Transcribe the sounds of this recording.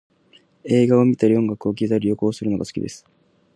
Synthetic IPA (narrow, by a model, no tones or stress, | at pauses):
e̞ːɡao̞mʲit̪aɾiõ̞ŋɡakɯ̟o̞k̬ʲizaɾʲijo̞ko̞ːsɨɾɯ̟no̞ɡasɨ̥kʲḭd̪e̞̰sɨ̥